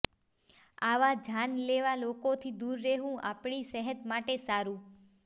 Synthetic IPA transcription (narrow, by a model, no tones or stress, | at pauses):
aʋad͡ʒanleʋalokot̪ʰid̪uɾːeɦũʔa̰pɽ̃isɛɦət̪maʈesaɾũ